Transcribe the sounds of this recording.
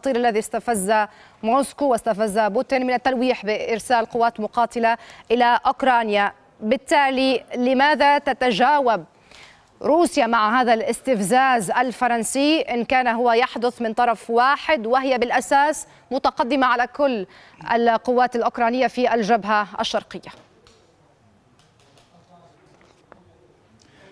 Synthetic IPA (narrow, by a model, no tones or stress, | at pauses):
ɑt̪ˤiːɾʔalːaðist̪afazːa | moːskuwɪst̪afazːabʊt̪ɪnmɪnat̪ːanwiːħbɪʔɪɾsaːlqʊwːaːt̪mʊqɑːt̪ɪlaʔɪlaʔʊkɾˤɑːnja | bɪt̪ːaːlilɪmaːðat̪at̪ad͡ʒaːwab̚ | ɾuːsjamaʕɦaːðalʔɪst̪ɪfzaːzʔalfɑɾˤɑnsiːʔɪnkaːnaɦʊwajaħd̪ʊθmɪnt̪ˤɑɾˤɑfwaːħɪd̪wɪɦɪjabɪlʔasaːs | mʊt̪aqɑd̪ːɪmaʕalakʊlː | ʔa̰lqʊwːaːt̪alʔʊkɾˤɑːnɪjːafiʔald͡ʒabɦaʔa̰ʃːɑɾˤqɪjːa